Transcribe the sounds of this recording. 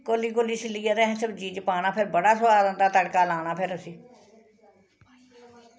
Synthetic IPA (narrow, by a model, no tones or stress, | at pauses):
koːliːkoliːsɪlːiːad̪ɛːɦɛ̃səbd͡ʒiːd͡ʒəpaːɽ̃aːpʰɪɾbəɽaːsəbaːɾə̃nd̪aːt̪əɽkaːlaːɽ̃aːpʰɪɾəsiː